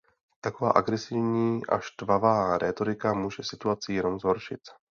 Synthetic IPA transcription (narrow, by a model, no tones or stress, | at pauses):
t̪ako̞va̰ːʔaɡɾɛsɪvɲiːʔa̰ʃt̪vavaːɾʔɛːt̪o̞ɾɪkamuːʒɛsɪt̪uat͡sɪjɛno̞mzɦo̞ɾʃɪ̰t̪